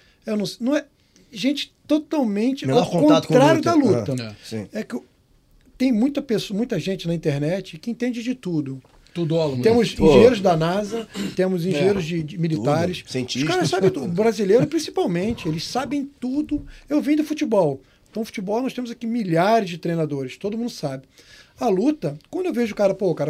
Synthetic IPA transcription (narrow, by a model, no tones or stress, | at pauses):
ewnɐ̃w̃nɐ̃w̃ɛ | ʒẽnt͡ʃɪ̥t̪ot̪awmẽnt͡ʃɪãkõat̪ɾaɾjʊd̪ɐlut̪ɐɛsĩɛkɪ | t̪ẽj̃mũj̃t̪ɐpesmũj̃t̪ɐʒẽnt͡ʃɪnɐĩt̪eɾnɛt͡ʃɪkɪĩt̪ẽnd͡ʒɪd͡ʒɪt̪ud̪ʊ | t̪ud̪ɔloɡ̪ẽmʊsĩʒẽɲeɾʊzd̪ɐnazɐt̪ẽmʊzĩʒ̃ẽɲeɾʊzd͡ʒɪd͡ʒɪmilit̪aɾɪssẽiʃkaɾɐssabẽt̪ubɾazilejɾʊpɾĩsi̥pawmẽnt͡ʃɪelɪssabẽj̃t̪ud̪ʊewvĩj̃d̪ʊfut͡ʃibɔw̃ | t̪ɐ̃w̃fu̥t͡ʃibɔwnɔʃt̪ẽmʊzakimiʎaɾɪzd͡ʒɪt̪ɾejnad̪oɾɪst̪od̪ʊmũd̪ʊsabɪɐlut̪ɐkwɐ̃nd̪ʊewveʒʊkaɾɐpokaɾɐ